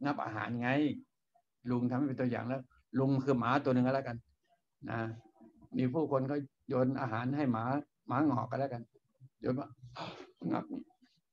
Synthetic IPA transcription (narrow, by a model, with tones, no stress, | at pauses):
ŋa˦˥p̚ʔa̰ː˧ɦa̰ː˩˦n˧ŋa˦˧˥j | lu˧ŋt̪ʰa˧mhpe˧t̪u˧ja̰ː˨˩ŋlɛː˦˥w | lu˧ŋ˧kʰɯː˧maː˨˦t̪u˧nɯ˧ŋkːlɛ˦˥˩ka˧n | na̰˧˦˥miː˧pʰuː˥˩kʰo˧nkɔː˥˩ | joː˧nʔa̰ː˧ɦaː˩˦nɦa˥˩jmaː˨˩˦ | maː˨˦ŋɔ̰ː˨˩k̚ːa˧lɛ˦˥˩ka˧n | joː˧nwaː˧˥˩ | ŋa̰˦˥˩p̚